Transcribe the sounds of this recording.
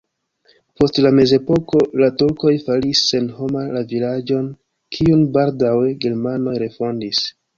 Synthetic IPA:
po̞stlame̞ze̞po̞ko̞latuɾko̞jfalisːe̞nho̞malavilad͡ʒo̞n | kʰiunbaldawe̞ɡe̞ɾmano̞jɾe̞fo̞ndis

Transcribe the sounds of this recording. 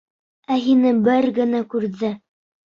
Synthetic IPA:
æɦinɘbɘɾɡɘ̆nækʉɾðɘ

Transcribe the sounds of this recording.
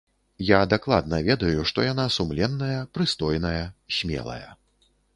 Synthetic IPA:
jad̪aklˠa̰d̪̚nɐvʲɛd̪ɐjuʂt̪ɔjan̪asumlʲɛnːɐjɐpɾɨst̪ɔjnɐjɐsʲmʲɛ̰lˠɐ̰jɐ̰

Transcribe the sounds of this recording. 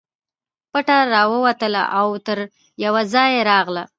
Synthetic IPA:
paʈaɾɑwəwat̪əla̰ʔawt̪əɾ | jawazɑjeɾɑɣla

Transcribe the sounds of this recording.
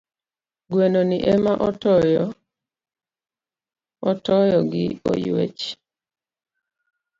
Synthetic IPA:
ɡwenoniʔemaʔɔtɔjɔ | ɔtɔjɔɡɪ̰o̰jwḛt͡ʃ

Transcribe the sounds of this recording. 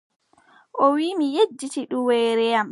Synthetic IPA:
ʔɔwiːmijed͡ʒːitiɗuwɛjɾɛjam

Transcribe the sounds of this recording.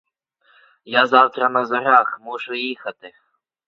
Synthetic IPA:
jazɑwt̪ɾɐnɐzɐɾaxmuʂʊjixɐt̪ɪ

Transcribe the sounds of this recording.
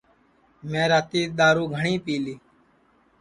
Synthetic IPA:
mẽːɾaːt̪iːɗ̪aːɾuːɡʱəɳĩːpiːliː

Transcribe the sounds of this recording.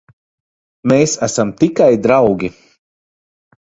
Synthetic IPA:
meːsasamt̪ikajd̪ɾawɡʲi

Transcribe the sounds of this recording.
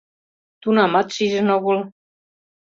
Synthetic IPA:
t̪unɑmɑt̪ʃiʒə̆noɣol

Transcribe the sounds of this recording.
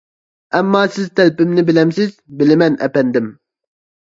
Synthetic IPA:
ɛmːɑːsɪzt̪ʰɛlpɪmnɪbɪlɛmsɪzbɪlɪmɛnʔɛ̰pɛnd̪ɪm

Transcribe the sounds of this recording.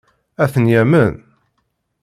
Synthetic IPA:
æθənjæmən

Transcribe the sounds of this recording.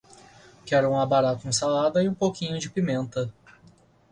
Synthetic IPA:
kɛɾʊũabaɾak̪ũsalad̪ɐiũpowkĩɲʊd͡ʒɪpimẽnt̪ɐ

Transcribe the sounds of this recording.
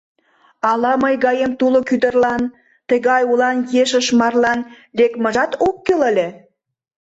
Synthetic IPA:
ɑlɑməjɣɑjemt̪ulokyd̪ə̆rlɑn | t̪ə̆ɣɑjulɑnjeʃə̆ʃmɑrlɑn | lekmə̆ʒɑt̪okːelə̆lʲĕ

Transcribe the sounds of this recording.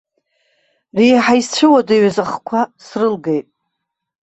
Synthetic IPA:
riːħajst͡ɕʷʰɨwadaɥzaχkʷʰasrɨlɡejtʼ

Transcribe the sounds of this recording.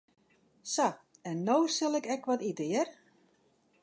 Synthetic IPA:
sa | ɛnːoːsɪlˠɪkɛkʋɔtidɪər

